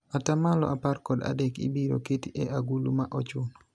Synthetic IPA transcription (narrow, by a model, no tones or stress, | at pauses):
atamalɔ̰ʔaparkɔda̰dɛkḭbiɾo̰ketiʔeʔaɡulumaʔɔt͡ʃʊnɔ